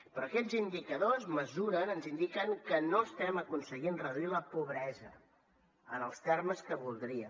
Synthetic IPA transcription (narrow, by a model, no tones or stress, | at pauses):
pɾɔːkɛd͡zind̪ikəðozməzuɾənənzind̪ikəŋkənoəst̪ɛməkunsəɣinrəðuiləpuβɾɛzə | ənəlˠst̪ɛrməskəβulˠd̪ɾiə̰